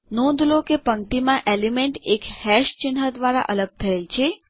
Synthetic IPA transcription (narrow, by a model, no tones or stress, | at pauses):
nõd̪lokepəŋʈimãʔelimeɳʈekhɛʃt͡ʃɪnɦəd̪ʋaɾa̰ʔələɡ̚t̪ʰəelt͡ʃʰe